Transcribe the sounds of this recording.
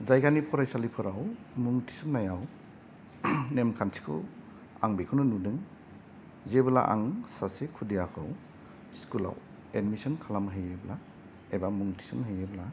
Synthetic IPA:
zajɡanipʰɔɾajsalipʰɯɾaw | muŋtʰi̥sɯnːajaw | nemkʰansi̥kʰɯ̰ | aŋbekʰunɯnudɯŋ | zebɯla̰ʔa̰ŋsasekʰudijakʰɯw | skula̰w | edmisɔnkʰalamɦɯjebla | ebamuŋtʰi̥sɯnɦɯjebla

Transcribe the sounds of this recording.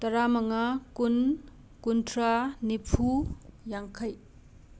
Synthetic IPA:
t̪ɐɾamɐŋakun | kuntʰɾanipʰujaŋkʰɐj

